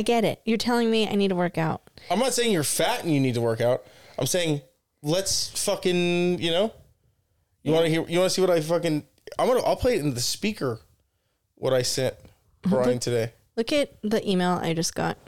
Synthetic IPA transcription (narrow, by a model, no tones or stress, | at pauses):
ɪɡɛɾɪ̰t̚jə˞tʰɛlˠɪ̃ŋmia̰ɪnid̚tʰəwɜ˞kaʊt̚ãɪ̃mnətseɪɪ̃ŋjə˞fæʔn̩jɨnid̚tʰəwɜ˞kaʊt̚ãɪ̃mseɪɪ̃ŋ | lətsfʌkɨ̃njɨnoʊ | jɨwɑ̃nɨhiɹjɨwɑ̃nɨsiwʌɾaɪfʌkɨ̃n | ãɪ̃mɡɑnəʔɪpʰl̥eɪɾɨ̃n̩ðɨspikə˞ | wʌ̰ɾaɪsɛ̃nt̚ | b̥ɹaɪɪ̃ŋtʰɨdeɪ | lʊkɨt̪̚ðiʔimeɪlˠa̰ɪd͡ʒʌsɡ̥ɑ̰t̚